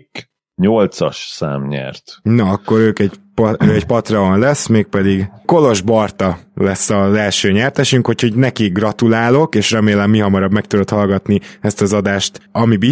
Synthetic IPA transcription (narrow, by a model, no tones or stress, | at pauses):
k | ɲolt̪sɒ̰ʃsa̰ːmɲɛ̰rt̪nɒːkːo̞ɾøːkɛɟpøɛɟpɒt̪rɒonlɛsːmeːk̚pɛd̪iɡko̞lo̞ʒbɒrt̪ɒlɛsːɒzɛlʃøːɲɛrt̪ɛʃyŋkho̞cho̞ɟnɛkiɡrɒt̪ulaːlo̞keːʃrɛmeːlɛmːiɦɒmɒɾɒbmɛk̚t̪ud̪o̞t̪hɒlɡɒt̪niɛst̪ɒzɒd̪aːʃt̪ɒmibi